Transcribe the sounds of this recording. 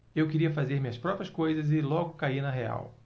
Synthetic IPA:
ewkɪɾiɐfazeɾmĩɐspɾɔpɾiɐskojzɐzɪlɔɡʊkainɐɦea̰w

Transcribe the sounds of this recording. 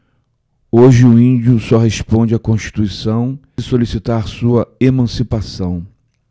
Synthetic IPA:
oʒɪʊĩd͡ʒʊsɔɦespõd͡ʒɪakõʃt͡ʃi̥t̪uisɐ̃w̃ | ɪsolisit̪aɾsuɐemɐ̃sipasɐ̃w̃

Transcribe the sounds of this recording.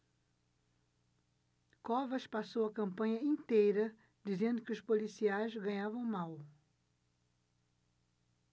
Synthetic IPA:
kɔvɐʃpasowɐkɐ̃mpɐ̃ɲɐĩnt̪ejɾɐ | d̪izẽnd̪ʊkɪʊʃpolisiajzɡɐ̃ɲavɐ̃w̃maw

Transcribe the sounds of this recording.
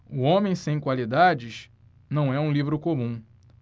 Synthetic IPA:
ʊõmẽj̃sẽj̃kwalid̪ad͡ʒɪʃ | nɐ̃w̃ɛũlivɾʊkomũ

